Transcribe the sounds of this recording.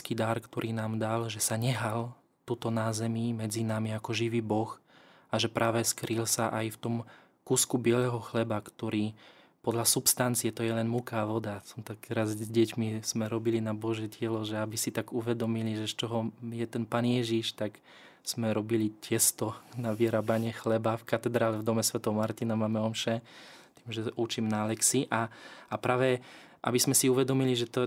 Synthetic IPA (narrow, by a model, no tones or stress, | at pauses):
kid̪aɾkt̪ɔɾʔiːnaːmd̪alʒɛsaɲɛɦal | t̪ut̪ɔnaːzɛmimɛd͡zinamiakɔʒiʋiːbɔx | aʒɛpɾʔaːʋɛskɾilsaʔajft̪ɔm | kuːskubɪɛlɛɦɔxlɛbakt̪ɔɾiː | pɔd̪lasupst̪ant͡siɛt̪ɔjɛlɛnmukaːʋɔd̪asɔmt̪ak̚t̪ɛɾazɟɛcmiz̥mɛɾɔbilinabɔʒjɛcɪɛlɔʒɛabisit̪aɡuʋɛd̪ɔmiliʒɛst͡ʃɔɦɔjɛt̪ɛnpaːnjɛʒiʃt̪ak | z̥mɛɾɔbilicɛst̪ɔnaʋiɾaːbaɲɛxlɛbafkat̪ɛd̪ɾaːlɛvd̪ɔmɛsʋɛt̪ɔwmaɾt̪inamaːmɛɔmʃɛt̪iːmʒɛut͡ʃimnalɛksiʔaapɾaːʋɛ | ʔa̰bizmɛsiuʋɛd̪ɔmiliʒɛt̪ɔ